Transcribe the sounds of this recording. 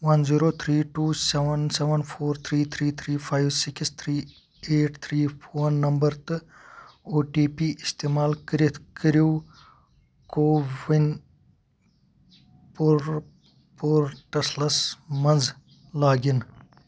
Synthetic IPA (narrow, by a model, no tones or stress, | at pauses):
ʋɐnziːɾoːt̪ʰɾiːʈuːseʋɐnseʋɐnpʰoːɾt̪ʰɾiːt̪ʰɾiːt̪ʰɾiːpʰaːjʋsikst̪ʰɾiː | eːʈt̪ʰɾiːwɐnːɐmbɐɾt̪ɨ | oːʈiːpiːʔist̪eːmaːlkəɾit̪ʰkəɾuː | koːʋin | puɾ | poːɾʈɐslɐsmɐnz | laːɡin